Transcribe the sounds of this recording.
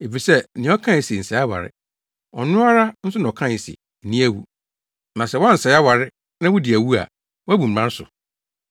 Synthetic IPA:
e˨fi˨sɛ˦˨nɪ̃˨˦ɔ˦kʰã˦˨si˨n̩˨sɛ˨˦a˦wa̰˨ɾɪ̰˦ | ɔ̰˨nʊ̃˦a˦ɾa˦n̩˦sʊ˦nã˨ɔ˨kʰã˦˨sɪ̰˨ | nĩ˦æ˦wṵ˨ | nã˨sɛ˦˨wɔ̃˦n̩˨sɛ˨˦a˦wa˨ɾɪ˦ | nã˦wʊ˦dɪ˨æ˨wu˦a̰˨ | wæ˦bũ˨m̩˨mã˦n˦sʊ̰˨

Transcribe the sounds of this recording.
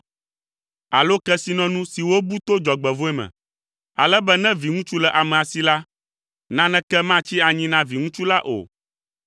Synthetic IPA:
a̰˨lo˦kɛ˦si˦nɔ̃˦nũ˦si˨wo˦bu˦t̪o˦d͡ʒɔ˨ɡ͡bɛ˨vo˦ɛ˦mɛ̰̃˨ | a̰˨lɛ˦bɛ˦nɛ̃˦vi˨ŋũ˦t͡ʃu˦lɛ˨ʔa˨mɛ̃˨a˨si˨la˦ | nã˦nɛ̃˦kɛ˦mã˦˨t͡ɕi˦a˨ɲĩ˦nã˦vi˨ŋũ˦t͡ʃu˦la˦ʔo̰˨

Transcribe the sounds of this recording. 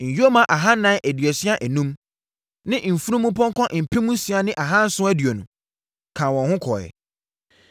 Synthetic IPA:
ɲ̩˨jo˦mã˨ʔa˨ɦa˦nã˦æ˨dɥɛ˨si˦a˦ʔæ˨nũ˦m | nɪ̃˦m̩˨fu˦ɾũ˦mũ˦pʰɔ̃˦ŋkʰɔ̃˦ʔm̩˨pʰɛ˦mũ˦si˨˦a˨nɪ̃˦ʔa˨ɦã˦n̩˦sʊ̃˦æ˦dɥo˨nũ˨ | kʰã˨wɔ̃˨hʊ̃˦kʰɔ˨jɛ̰˨

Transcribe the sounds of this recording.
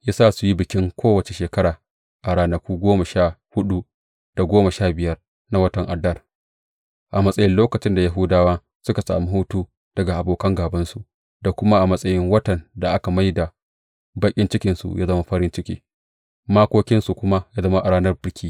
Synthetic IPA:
jaː˦saː˦˨su˨ji˦bɪ˨kʲɪ˦ŋkʷʰoː˦wɐ˨t͡ʃe˨ʃeː˨kɐ˦ɽaː˨ | ʔa˨ɽaː˦nɐ˦kʷuː˦ɡʷoː˦ma˨ʃaː˦˨hʊ˦ɗu˦ | d̥a˨ɡʷoː˦ma˨ʃaː˦bɪ˨jɐ˦r | na˦wɐ˦tɐ˨ŋʔa˨dɐ˦r | ʔa˨mɐ˦sʼɐ˦jɪ˦nloː˦kɐ˨t͡ʃɪ˦nda˨ja˦ɦʊ˦daː˦waː˦ | sʊ˦ka˨sa̰ː˨mi˦ɦu˦tuː˦ | d̥ɐ˨ɡa˨ʔa˨boː˨kɐ˦ŋɡaː˨bɐ˦nsu˨ʔ | da˨kʷʊ˦ma˦ʔa˨mɐ˦sʼɐ˦jɪ˦ŋwɐ˦tɐ˨nda˨ʔa˦ka˨ma˦jda˨ | ba˦kʲʼɪ˦nt͡ʃɪ˦kʲɪ˨nsṵ˨jaː˦zɐ˦ma˦ɸɐ˦ɾɪ˦nt͡ʃɪ˦kʲḛː˦ | maː˦kʷoː˦kʲɪ˦nsu˨kʷʊ˦ma˦jaː˦zɐ˦ma˦ʔa˨ɽaː˦nɐ˦rbɪ˦rkʲiː˦

